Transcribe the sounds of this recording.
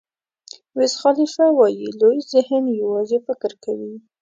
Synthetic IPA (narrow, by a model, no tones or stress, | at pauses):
wɪsxɑlifawɑjilojzɪhnjawɑzefɪkəɾkawi